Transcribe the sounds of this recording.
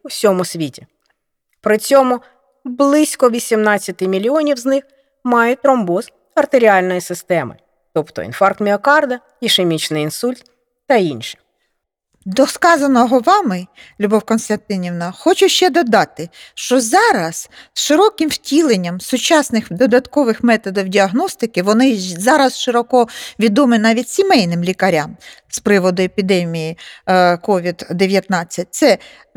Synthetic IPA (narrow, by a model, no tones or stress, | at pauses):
uwsʲɔmʊsʲʋʲitʲi | pɾɪt͡sʲɔmʊ | blˠɪsʲkɔʋʲisʲimnɑt͡sʲːɐt̪ɪmʲilʲiɔnʲiwznɪx | mɑjʊt̪ɾɔmbɔz | ɐrt̪eɾʲiɑlʲnɔjisɪst̪ɛmɪ̰ | t̪ɔpt̪ɔ̰ḭnfɑrk̚t̪mʲiɔkɑrd̪ɐ | iʃemʲit͡ʃnɪjinsulʲt̪̚ː | ɐinʲʃɪ̥ | d̪ɔskɑzɐnɔɦɔʋɑmɪlʲubɔwkɔnst̪ɐnt̪ɪnʲiwnɐxɔt͡ʃʊʃt͡ʃɛd̪ɔd̪ɑt̪ɪʃt͡ʃɔzɑɾɐsʃɪɾɔkɪmwtʲilˠenʲːɐmsʊt͡ʃɑsnɪxd̪ɔd̪ɐt̪kɔʋɪxmɛt̪ɔd̪ɔwdʲiɐɦnɔst̪ɪkɪʋɔnɪzɑɾɐsʃɪɾɔkɔʋʲid̪ɔmɪnɑʋʲitʲsʲimɛjnɪmlʲikɐɾʲamspɾɪʋɔd̪ʊepʲid̪ɛmʲijikɔʋʲid̪d̪eʋʲjɐt̪nɑt͡sʲːɐt̚ʲt̪sɛ